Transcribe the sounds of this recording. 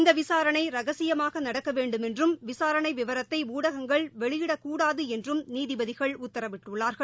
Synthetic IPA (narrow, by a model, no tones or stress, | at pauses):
nd̪ɐʋɪsaːɾɐɳɐɪɾɐɣɐsɪjɐmaːɣɐnɐɽɐkːɐʋeːɳɖɯmɛndrɯmʋɪsaːɾɐɳɐɪʋɪʋɐɾɐt̪ːɐɪuːɽɐɣɐŋɡɐɭʋɛɭɪjɪɽɐkuːɽaːðɯɛndrɯmniːðɪbɐðɪɣɐɭʊt̪ːɐɾɐʋɪʈːɯɭːaːɾɣɐɭ